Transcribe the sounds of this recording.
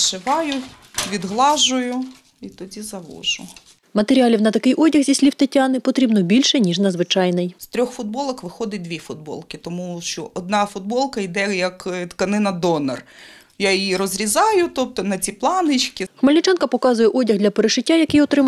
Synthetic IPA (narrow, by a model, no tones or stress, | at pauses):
ʃɪʋɑjʊ | ʋʲid̪ɦlˠɑʒʊjʊ | it̪ɔdʲizɐʋɔ̰ʒʊ | mɐt̪eɾʲiɑlʲiwnɐt̪ɐkɪjʔɔdʲɐɣzʲisʲlʲiwt̪ɐtʲːɑnɪpɔt̪ɾʲibnɔbʲilʲʃɛnʲiʒnɐd̪zʋɪt͡ʃɑjnɪjst̪ɾʲɔxfʊd̪̚bɔlˠɐxʋɪxɔd̪ɪd̪ʋʲifʊd̪̚bɔ̰lˠkɪt̪ɔmuʃt͡ʃɔʔɔd̪̚nɑfʊd̪̚bɔlˠkɐid̪ɛjɐkt̪kɐnɪnɐd̪ɔnɐ̰r | jajiɾɔzɾʲizɑjʊt̪ɔp̚t̪ɔnɐt͡sʲiplˠɑnɪt͡ʃkʲɪxmɐlʲnʲɪt͡ʃɑnkɐpɔkɑzʊjɛʔɔdʲɐɣdlʲɐpeɾeʃɪtʲːajɐkɪjɔt̪ɾɪm